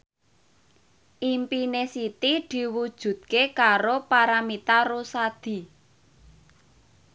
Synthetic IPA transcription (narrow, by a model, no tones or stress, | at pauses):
ʔimpinesit̪id̪̥i̤wud̥ʒ̥ṳd̪̚kekaɾopaɾamit̪aɾusad̪̥i̤